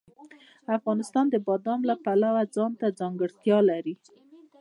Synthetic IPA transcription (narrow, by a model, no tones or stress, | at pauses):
afɣɑnɪst̪ɑnd̪əbɑd̪ɑmlapalawad͡zɑnt̪ad͡zɑŋɡəɽt̪jɑlaɾi